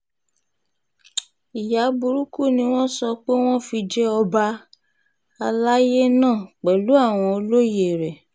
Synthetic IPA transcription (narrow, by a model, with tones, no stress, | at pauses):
i˨ja˨˦bu˧ɾu˦ku˦˨nĩ˧w̃ɔ̃˦sɔ˧k͡pe˦w̃ɔ̃˦fi˧d͡ʒɛ˦ɔ˧ba˧ | a˧la˦je˦nãː˦˨k͡pɛ˨lu˨˦a˦˨w̃ɔ̃˧o˧lo˦je˦˨ɾɛ˨